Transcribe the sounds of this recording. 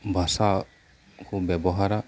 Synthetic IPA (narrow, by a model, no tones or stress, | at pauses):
bʱasa | kʰubɛbɔɦaɾa